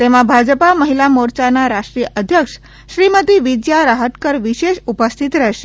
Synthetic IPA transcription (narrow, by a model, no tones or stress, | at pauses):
t̪emãbʱad͡ʒəpaməɦilamoɾt͡ʃanaɾaʃʈɾijəʔəd̪ʱjəkʂ | ʃɾimət̪iʋid͡ʒjaɾaɦət̪kəɾʋiʃeʃupəst̪ʰit̪ɾɛɦʃe